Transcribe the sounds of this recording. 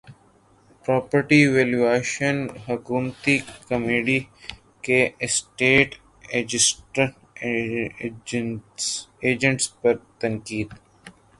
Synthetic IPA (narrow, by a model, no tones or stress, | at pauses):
pɾɔːpəɾʈiʋeːlueːʃənɦʊkuːmt̪ikɐmiɽi | kesʈeːʈ | ed͡ʒɪsʈɾəʈː | eːd͡ʒə̃ɳʈspɐɾt̪ɐ̃ŋkiːd̪